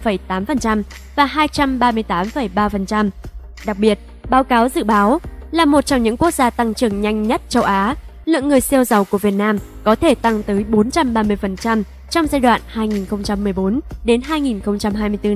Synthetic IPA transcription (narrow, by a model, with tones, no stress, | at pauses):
fə˧˩jt̪aː˨˦mfə˨˩nt͡ɕa˧m | vaː˨˩ɦaː˧jt͡ɕa˧mɓaː˧mɨ˧əjt̪aː˨˦mfə˨˩jɓaː˧fə˨˩nt͡ɕa˧m | ɗa˨˩k̚ɓi˨˩ət̚ | ɓaː˨˦wkaː˨˦wzɨ̰˧˨ɓaː˨˦wlaː˨˩mo˨˩t̚t͡ɕɔ˧ŋ͡mɲɨ̰˧˥ŋku˦˥ək̚zaː˧t̪a˧ŋt͡ɕɨ˨˩əŋɲa˧jŋ̟ɲə˦˥t̚t͡ɕə˧wʔaː˨˦ | lɨ̰˧˨əŋːɨ˨˩əjsɛ˧wzə˨˩wku˧˩əvi˨˩ət̚naː˧m | kɔ˨˦t̪ʰe˧˩t̪a˧ŋt̪əː˨˦jɓo˨˦nt͡ɕa˧mɓaː˧mɨ˧əjfə˨˩nt͡ɕa˧m | t͡ɕɔ˧wŋ͡mzaː˧jɗwa̰ː˧˨nhaː˧jŋi˨˩nxə˧wŋ͡mt͡ɕa˧mːɨ˨˩əjɓo˨˦nɗe˨˦nɦaː˧jŋi˨˩nxə˧wŋ͡mt͡ɕa˧mɦaː˧jmɨ˧əjt̪ɨ˧